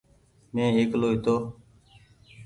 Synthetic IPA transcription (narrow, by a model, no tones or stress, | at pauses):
mẽːeːkloːɦɪt̪oː